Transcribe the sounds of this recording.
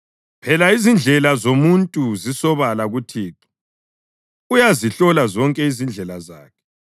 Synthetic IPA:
pʰɛlaizind͡ɮʱɛlazomuntʼuzisɔβalaɣutʰiːtʰɔ̥ | ujaziɬɔlazɔŋkʼɛizind͡ɮʱɛlaza̰ːkʰɛ̥

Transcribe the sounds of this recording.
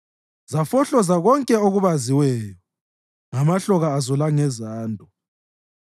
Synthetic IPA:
zafɔɬɔzaɣɔŋkʼɛoɣuβaziwɛːjɔ | ŋamaɬɔɣaːzɔlaŋɛzaːndʱɔ

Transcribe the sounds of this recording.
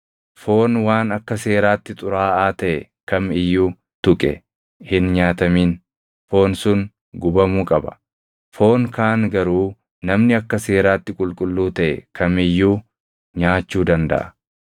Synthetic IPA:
fo̞ːnwaːnɐkːɐse̞ːɾaːt̪ːɪt̪ʼʊɾaːaːt̪ɐʔɛ | kɐmɪjːuː | t̪ʊkʼɛ̰ | hɪnɲaːt̪ɐmiːn | fo̞ːnsʊn | ɡʊbɐmuːkʼɐbɐ̰ | fo̞ːŋkaːnɡɐɾuː | nɐmnɪɐkːɐse̞ːɾaːt̪ːɪkʼʊlkʼʊlːuːt̪ɐʔɛkʰɐmɪjːuː | ɲaːt͡ʃːuːd̪ɐnd̪ɐ̰ʔɐ

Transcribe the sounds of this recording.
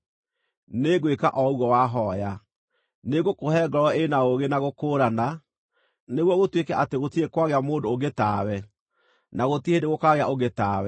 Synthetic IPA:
neɡweka̰ʔɔuwɔwaɦɔja | neɡokohɛːɡɔɾɔenaoɣenaɣokoːɾana | neɣwɔɣotwekɛʔateɣotiekwaɣeamoːndooɡetaːwɛ | naɣotihedeɣokaɣeaʔoɣetaːwɛ

